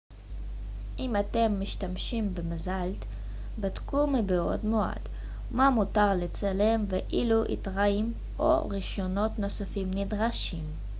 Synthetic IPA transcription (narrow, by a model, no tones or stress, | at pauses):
ʔimate̞mːiʃtamʃimbemazalt̪ | batkumibeo̞̰dmoa̰d̥ | mamutaʁlet͡sale̞mveʔiluʔḭt̪ʁaim | ʔo̞̰ʁiʃo̞no̞tno̞safimnidʁaʃim